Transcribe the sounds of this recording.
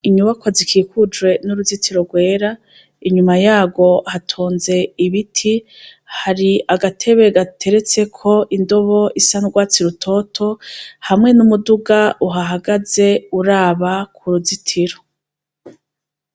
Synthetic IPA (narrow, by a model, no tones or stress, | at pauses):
iɲuβakwazikʰiːkud͡ʒwe̞nuɾuzitʰiɾo̞ɡwe̞ːɾa | iɲumajaːɡo̞hatʰoːnze̞iβitʰi | haɾiaɡatʰe̞βeɡatʰe̞ɾe̞t͡se̞kʰo̞ʔindo̞βo̞isanuɡwaːt͡siɾutʰo̞tʰo̞hamŋe̞numuduɡaʔuɦaɦaɡaze̞uɾaːβakʰuɾuzitʰiɾo